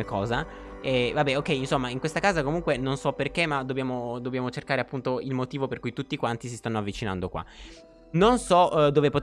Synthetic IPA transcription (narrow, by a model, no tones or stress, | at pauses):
ekɔːza | ɛvabːɛokːɛjinsomːaiŋkwest̪akaːzakomuŋkwenonsɔpːerkemad̪objaːmod̪objaːmot͡ʃerkaːɾeapːunt̪oilmot̪iːvoperkujt̪ut̪ːiːkwant̪isist̪anːoavːit͡ʃina̰nd̪okwa̰ | nonsɔd̪oːvepot̪